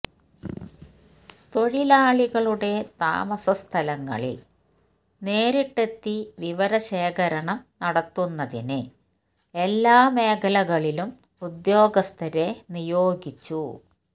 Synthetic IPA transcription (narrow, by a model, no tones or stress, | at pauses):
t̪o̞ɻilaːɭiɣɐɭuɽe̞t̪a̰ːmɐsɐst̪ʰɐlɐŋːɐ̰ɭḭl | ne̞ːɾiʈːe̞t̪ːiʋiʋɐɾɐɕeːɣɐɾɐɳɐmnɐɽɐt̪ːunːɐðinɨ | e̞lːaːme̞ːkʰɐlɐɣɐɭilum | ud̪jo̞ːɡɐst̪ʰɐɾe̞nijo̞ːɡit͡ɕːu